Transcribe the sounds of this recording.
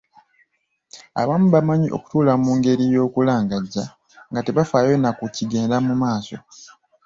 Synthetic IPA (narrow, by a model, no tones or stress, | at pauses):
a̰βaːmuβamaɲiʔo̞̰ku̥tuːlamuːŋɡe̞ɾijo̞ːkulaːŋɡaɟːa | ŋɡate̞βafaːjo̞nakuciɡeːndamumaːso̞̰